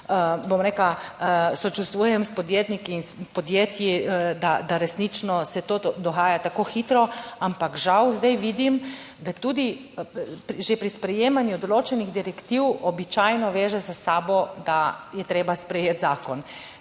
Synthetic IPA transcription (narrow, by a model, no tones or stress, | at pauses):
əbomɾeklasɔt͡ʃust̪ʋuːjɛmspɔd̪jeːt̪nikiːnspɔd̪jeːt̪jid̪ad̪aɾɛsnit͡ʃnɔsɛt̪od̪ɔxaːjat̪akoːxit̪ɾɔampakʒawzd̪ajʋiːd̪im | d̪at̪uːd̪i | pʒepɾispɾɛjeːmanjud̪ɔloːt͡ʃɛniɣd̪iɾɛkt̪iwɔbit͡ʃajnɔʋeːʒɛzasaːbɔd̪ajɛt̪ɾeːbaspɾɛjet̪zaːkɔn